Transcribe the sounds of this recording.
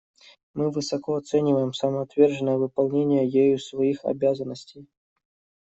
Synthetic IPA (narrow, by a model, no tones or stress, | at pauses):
mɨvɨsɐkoɐt̪sɛnʲɪvəjɪmsəməɐt̪vʲerʐɨnːəjəvɨpɐlˠnʲenʲɪjəjejʊsvɐixɐ̰bʲazənːəsʲtʲej